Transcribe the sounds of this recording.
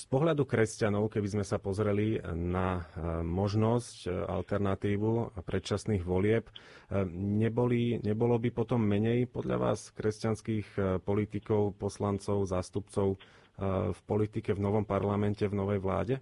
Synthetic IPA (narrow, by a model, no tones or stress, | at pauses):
spɔɦʎad̪ukɾɛscanɔʊkɛbizmɛsapɔzɾɛlinamɔʒnɔsca̰lt̪ɛɾnat̪iːʋupɾɛt̪t͡ʃasniːɣʋɔlɪɛp | ɲɛbɔliɲɛbɔlɔbipɔt̪ɔmːɛɲɛjpɔd̪ʎa̰ʋa̰ːskɾɛscanskiːxpɔlit̪ikɔʊpɔslant͡sɔʊzaːst̪upt͡sɔʊ | fpɔlit̪ikɛvnɔʋɔmpaɾlamɛncɛvnɔʋɛjʋla̰ːɟɛ